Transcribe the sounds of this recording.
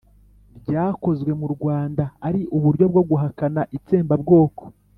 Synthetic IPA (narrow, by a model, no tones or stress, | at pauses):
ɾɟaːko̞zɡwe̞muɾɡwaːndaːɾiʔuβuɾɟo̞b̚ɡo̞ɡuɦakanaʔit͡seːmbabɡo̞ːko̥